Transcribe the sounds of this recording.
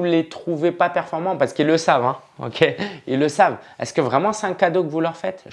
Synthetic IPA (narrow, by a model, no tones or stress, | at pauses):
ulet̪χuvepapɛʁfɔʁmɑ̃paʁsə̥kilːəsavɛ̃o̰kʲʰeilːəsavɛ̰skəvʁɛmɑ̃sɛɛ̃kad̪okəvulœʁfɛt̪ʒ